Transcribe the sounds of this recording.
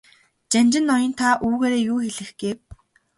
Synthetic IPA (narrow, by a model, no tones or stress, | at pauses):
t͡ɕant͡ɕɪ̆nːɔjɪ̆nt̪ʰaʔuːɣeːɾeːjuːxeɮɘ̆xɡ̥eːw